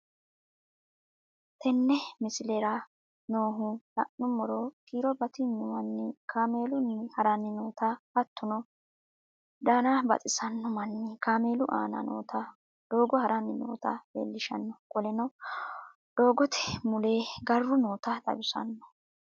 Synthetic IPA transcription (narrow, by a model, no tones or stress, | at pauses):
t̪ɛnːɛmɪsɪlɛɾɐ | noːɦʊlɐ̰ʔnʊmɔɾoːkiːɾɔbɐt̪ɪnʊmɐnːɪkʰaːme̞ːlʊnːɪhɐɾɐnːɪnoːt̪ɐhɐt̪ːʊnɔ | d̪aːnabɐ̰t͡sʼɪsɐnːɔmɐnːɪkaːme̞ːlʊʔa̰ːnɐ̰no̰ːt̪ʰɐ | d̪̥o̞ːɡɔhɐɾɐnːɪno̰ːt̪ɐ̰bḛːlːɪʃɐ̰nːɔkʼɔlɛnɔ | d̪̥o̞ːɡɔt̪ʰɛ̥mʊle̞ːɡɐrːʊnoːt̪ɐd̪ɐ̰bʊsɐ̰nːɔ̥